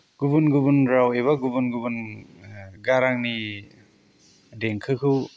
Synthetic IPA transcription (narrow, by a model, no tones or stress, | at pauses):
ɡ̥ubunɡubunɾaweβaɡubunɡubun | ɡaɾaŋni | deŋkʰɯkʰɯw